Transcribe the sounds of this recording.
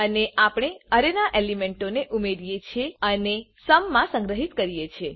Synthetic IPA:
əneʔapɳ̃eəɾenaʔelimẽɳʈoneʔumeɾijet͡ʃʰeənesəmːãsə̃ŋɡɾəɦit̪kəɾijet͡ʃʰe

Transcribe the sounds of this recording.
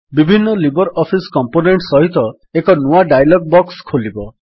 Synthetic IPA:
bibʱinːɔlibɔɾɔpʰiskɔmponeɳʈsɔɦit̪ɔ | ekɔnuaɖajlɔɡ̚bɔkskʰolibɔ

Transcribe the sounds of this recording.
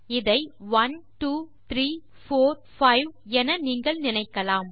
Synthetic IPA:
ɪðɐɪʋɐnʈuːt̪ɾiː | foːɾ | fɐɪʋɛnɐniːŋɡɐɭnɪnɐɪkːɐlaːm

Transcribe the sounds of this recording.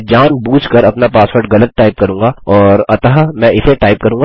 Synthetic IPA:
d͡ʒaːnbuːt͡ʃkɐɾɐpnapaːsʋoːɾʈɣɐlət̪̚ʈaːɪp̚kɐɾũːŋɡaɔːɾɐt̪aɦmɛ̃ɪseʈaːɪp̚kɐɾũːŋɡa

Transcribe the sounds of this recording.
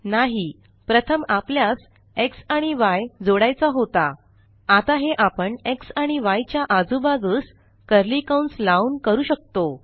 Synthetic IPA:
naɦi | pɾət̪ʰəmapljas | eksaɽ̃iʋajd͡zoɽajt͡saɦot̪a | at̪aɦeʔapəɳeksaɽ̃iʋajt͡ɕjaʔad͡zubaɡəːs | kəɾlikawɳslaunkəɾuːɕək̚t̪o

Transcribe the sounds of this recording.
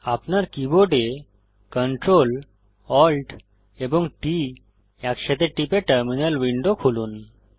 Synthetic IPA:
apnaɾkiboɖe | kəɳʈɾol | ɔlʈ | ebɔ̃ŋɡʈi | jakɕet̪eʈipeʈəɾminəlʋiɳɖokʰoluːn

